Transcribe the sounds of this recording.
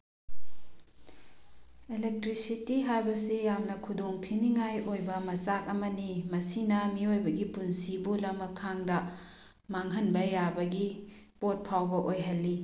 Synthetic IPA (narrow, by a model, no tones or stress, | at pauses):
elek̚tɾisitiɦajbɐsijamnɐkʰudoŋtʰiniŋajʔojbɐmɐsak̚ɐmɐnimɐsinɐmiojbɐɡipunsibulɐmɐkʰaŋdɐ | maŋɦɐnbɐjabɐɡi | pot̚pʰawbɐʔojɦɐlːi